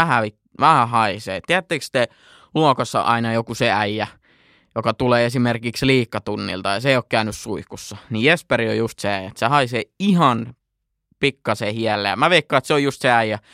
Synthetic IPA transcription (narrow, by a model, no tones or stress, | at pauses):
æhæʋit | ʋæhæhɑiseːtt̪iæt̪ːeːˑkst̪e | luokosːɑ̰ʔɑ̰inɑjokuseæjːæ | jokɑt̪uleːesimerkiksliːkːɑt̪unːḭlt̪ɑjɑseˑijoˑkkæynyssuikusːɑnijjesperio̰just̪seæjæt̪sehɑiseːihɑn | pikːɑsehiɛlːḛjɑmæʋeikːɑˑet̪seojust̪seæijːæ